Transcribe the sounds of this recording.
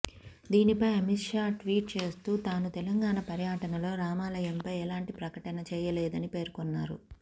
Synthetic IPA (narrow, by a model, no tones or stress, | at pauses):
d̪iːnipɐjɐmiʂaːʈʋiːʈ̚t͡ʃe̞ːst̪uːt̪aːnut̪ɛlɐŋɡaːɳɐpɐɾjaːʈɐnɐlo̞ːɾaːmaːlɐjɐmpɐjɛlaːɳʈipɾɐkɐʈɐnɐt͡ʃɛːjɐleːd̪ɐnipe̞ːɾkonːaːɾṵ